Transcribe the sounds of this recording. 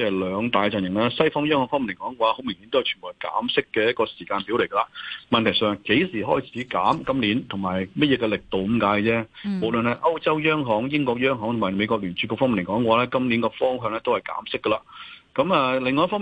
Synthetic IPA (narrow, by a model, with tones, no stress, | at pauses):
ɛ˥˨lœː˨˧ŋt̪aː˨jt͡sɐ˨njɪ˨˩ŋlɛː˥sɐ˥jfɔː˥ŋjœː˥ŋhɔː˨˥ŋfɔː˥mi˨nlkɔː˨˥ŋkwaː˨˦a˥ho˨˥wmɪ˨ŋhi˨˥nt̪o˥hɐ˨jt͡ʃʰːmbuː˨˩ka̰ː˨˥msɪ˥kːɛː˧jɐ˥t̚kɔː˧siː˨˩kaː˧npi˨˥wle˨˩jkɐ˧laː˨˧mɐ˨nt̪ʰɐ˨˩jsœː˨˧ŋke˨˥jsiː˨˩ɦɔː˥˩jt͡sʰiː˨˥kaː˨˥mkɐ˥mliː˨˥nt̪ʰʊ˨˩ŋmaː˨˩jmɐ˥t̚jɛː˧kɛ˧lɪ˨k̚t̪o˨wə˦˥mkaː˨˥jt͡sɛː˥mo˨˩wlə˨nhɐ˨jʔɐ˥wt͡sɐ˥wjœː˥ŋɦɔː˨˥ŋjɪ˥ŋkɔː˧k̚jœː˥ŋɦɔː˨˥ŋt̪ʰʊ˨˩mːaː˨˩me˨˧jkʷɔː˧k̚ly˨˩nt͡ʃy˨˥koː˧kfɔ˥ŋmi˨nlkɔː˨˧˥ŋkwaː˧˦lɛː˥kɐ˥mliː˨˥nkɔː˧fɔː˥ŋɦœː˧ŋlɛː˥t̪o˥whɐ˨˩jka̰ː˨˥msɪ˥kːɐ˧laː˨˧kɐ˨˧˥mɐː˨˧lɪ˨˧ŋːɔː˧jfɔ˥